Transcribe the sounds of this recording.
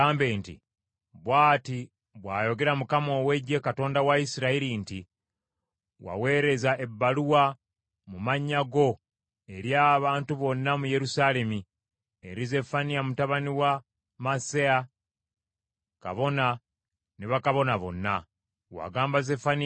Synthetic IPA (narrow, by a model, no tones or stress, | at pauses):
aːmbe̞ːntḭ | βwaːti | βwaːjo̞ɡe̞ɾamukamo̞we̞ɟːe̞kato̞ːndawaisiɾaiɾinti | wa̰we̞ːɾe̞zaʔe̞bːaluwa | mumaɲːaɡo̞ | e̞ɾjaːβaːntuβo̞nːamuje̞ɾusaːle̞mi | eɾize̞fanijamutaβaniwa | masea | ka̰βo̞na | neβakaβo̞naβo̞̰nːa | wa̰ɡaːmbaze̞fani